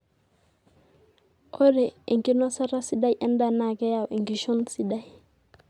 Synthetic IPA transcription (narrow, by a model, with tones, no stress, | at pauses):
o˦ɾe˨i˨ŋki˦nɔ˦sa˦ɾa˦si˦da˦jʔɛ˦nda˦˨na˦˨kɛ˦ja˨wʔi˨ŋki˨ʃu˦nsi˦da˦j